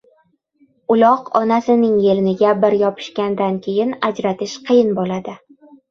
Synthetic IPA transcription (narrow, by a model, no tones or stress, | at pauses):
ʊlˠɒqɒnasɪnɪŋjelɪnɪɡʲabɪɾjɒpʰɪ̥ʃkʲand̪ankʲʰejɪnad͡ʒɾat̪ɪʃqʰɨjɪnbolad̪ɪ